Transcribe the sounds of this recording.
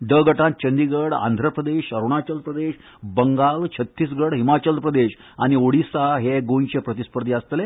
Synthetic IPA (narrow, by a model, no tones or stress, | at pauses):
ɖ̪əɡəʈãnt̪̚t͡ɕənd̪iɡəɽa̰nd̪ʱɾəpɾəd̪eɕəɾuɳ̃at͡ɕəlpɾəd̪eɕ | bəŋɡalt͡ɕʰət̪ːiːs̬ɡəɽɦimat͡ɕəlpɾəd̪eɕ | añioɽisaɦeɡõjt͡ɕepɾət̪ispəɾd̪iəst̪le